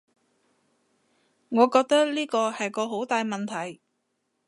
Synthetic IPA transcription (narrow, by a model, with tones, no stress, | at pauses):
ŋɔː˨˧kɔː˧k̚t̪ɐ˥k̚liː˥kɔː˧hɐ˨jkɔː˧ɦo˨˥wt̪aː˨jmɐ˨nt̪ʰɐ˨˩j